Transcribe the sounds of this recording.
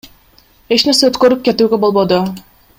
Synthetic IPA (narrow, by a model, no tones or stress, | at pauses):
e̞t͡ʃneɾseøt̪kø̞ɾyp̚ke̞t̪yːɡe̞bo̞lˠbo̞d̪o